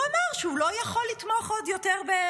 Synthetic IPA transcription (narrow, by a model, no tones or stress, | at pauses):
amaʁʃeulojaχolːit̪moχod̪joteʁbe